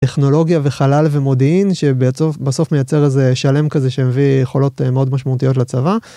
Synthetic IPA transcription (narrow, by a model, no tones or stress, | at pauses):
teχno̞lo̞ɡjaveχalalve̞mo̞diinʃebeofbaso̞fmejat͡se̞ʁezeʃale̞mkazeʃemevijeχo̞lo̞t̪meod̪maʃmautijo̞t̬lat͡sava